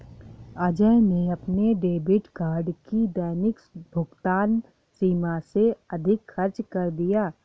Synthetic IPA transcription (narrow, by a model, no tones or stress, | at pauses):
əd͡ʒəneɐpneɖeːbɪʈɡaːɾɖkid̪ɛːnɪkbʱʊɡt̪aːn | siːmaseɐd̪ʱɪkxɐɾt͡ʃkɐɾd̪ijaː